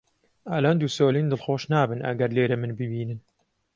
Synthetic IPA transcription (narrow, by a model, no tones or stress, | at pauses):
alaːnd̪uːsoːliːnd̪ɨlxoːʃnaːbɨnʔɐ̰ɡɐɾleːɾɐmɨnbɨbiːnɨn